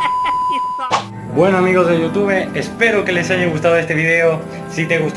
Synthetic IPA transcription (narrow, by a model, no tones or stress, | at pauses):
bwenoamiɣozðeʝut̪uβ̞eespeɾokelesaʝeŋɣust̪aðoest̪eβiðeo | sit̪eɣust̪